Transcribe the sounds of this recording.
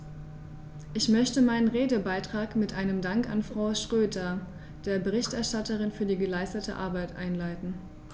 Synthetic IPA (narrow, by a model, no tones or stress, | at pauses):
ʔɪçmœçtəmaɪnənʁeːdəbaɪtʁ̥aːkmɪtʔaɪnəmdaŋka̰nfʁ̥aʊʃtʁ̥øːdɐ | d̥eːɐbəʁ̞ɪçtʔɛɐʃtatəʁɪnfyːɐdiːɡəlaɪstətʰə̰ʔa̰ɐbaɪtʔa̰ɪnlaɪtn̩